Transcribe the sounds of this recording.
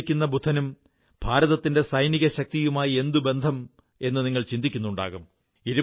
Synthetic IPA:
kʲːunːɐbʱud̪ʰʱːɐnum | bʱaːɾɐðɐt̪ːinde̞sɐjniɣɐɕɐk̚t̪ijumaːjie̞nd̪ube̞nd̪ʱɐm | e̞nːɨniŋːɐɭt͡ɕind̪ikʲːunːuɳɖa̰ːɣum | iɾu

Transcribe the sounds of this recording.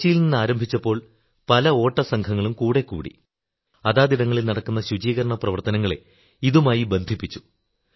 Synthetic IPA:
t͡ɕːijilninːɨaːɾɐmbʱit͡ɕːɐpːo̞ːɭ | pɐlɐo̞ːʈːɐsɐŋkʰɐŋːɐɭumkuːɽe̞kːṵːɽḭ | ɐðaːd̪iɽɐŋːɐɭilnɐɽɐkːunːɐɕud͡ʑiːɣɐɾɐɳɐprɐʋɐrt̪ɐnɐŋːɐɭe̞̰ | iðumaːjibe̞nd̪ʱipːit͡ɕːu̥

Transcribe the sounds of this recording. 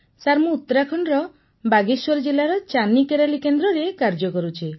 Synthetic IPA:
saɾmuut̪ːɔɾakʰɔɳɾɔ | baɡiswɔɾd͡ʒelaɾɔt͡ʃanikeɾalikend̪ɾɔɾekaɾd͡ʒɔkɔɾut͡ʃʰi

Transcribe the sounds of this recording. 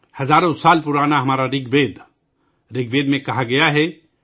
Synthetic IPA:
həzaːɾõsaːlpʊɾaːnaɦɐmaːɾaɾɪɡbeːd̪ | ɾɪɡ̚beːd̪mẽkɐɦaɡɐjaɦɛ

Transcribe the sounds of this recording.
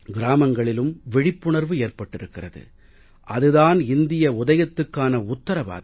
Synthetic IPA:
ɡɪɾaːmɐŋɡɐɭɪlɯmʋɛɻɪpːʊɳɐɾʋɯeːrpɐʈːɪɾɯkːɪrɐðɯ̰ | ʔɐðɯðaːnɪnd̪ɪjɐʊðɐjɐt̪ːɯkːaːnɐʊt̪ːɐɾɐba̰ːð

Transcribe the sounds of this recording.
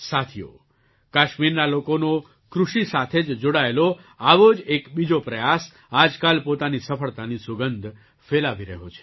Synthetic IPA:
sat̪ʰijo̰ | kaʃmiɾnalokono | kɾuʃisat̪ʰed͡ʒd͡ʒoɽaelo | aʋod͡ʒekbid͡ʒopɾəjas | ad͡ʒkalpot̪anisəfəɭt̪anisʊɡənd̪ʱ | felaʋiɾəɦot͡ʃʰe̥

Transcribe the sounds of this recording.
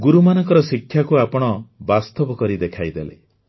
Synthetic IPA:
ɡuɾumanɔŋkɔɾɔsikʰjakuapɔɽ̃ɔbast̪ɔbɔkɔɾid̪ekʰajd̪elḛ

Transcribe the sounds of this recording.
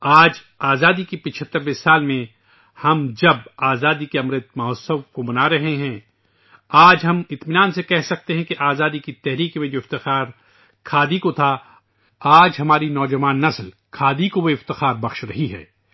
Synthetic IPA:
aːd͡ʒ | aːzaːd̪ikipɪt͡ʃʰət̪ːəɾʋɪsaːlmẽ | hɐmd͡ʒɐbaːzaːd̪ikeɐmɾət̪̚mɐɦɔːsə̃ʋkobɐnaːɾɐɦeɦɛ̃ː | aːd͡ʒɦɐmɪt̪mɪnaːnsekɛɦsɐk̚t̪eɦɛ̃keʔaːzaːd̪ikit̪ɛɦɾiːkmẽd͡ʒoːɪft̪ɪxaːɾ | kʰaːd̪ikot̪ʰa | aːd͡ʒɦɐmaːɾinɔːd͡ʒɐʋaːnːɐsl | kʰaːd̪ikoweɪft̪ɪxaːɾbɐxʃɾɐɦiɦɛ̰ː

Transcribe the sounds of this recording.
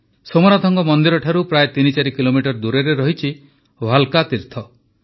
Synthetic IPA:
somɔɾad̪ʱʰɔŋɡɔmɔnd̪iɾɔʈʰaɾupɾaet̪init͡ʃaɾikilomiʈɔɾd̪uɾeɾeɾɔɦit͡ʃʰi | wʱalkat̪iɾt̪ʰɔ

